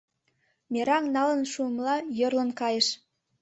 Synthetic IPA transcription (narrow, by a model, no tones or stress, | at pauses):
mʲeɾɑŋnɑlə̆nʃuəmlɑjɤrlə̆nkɑjə̆ʃ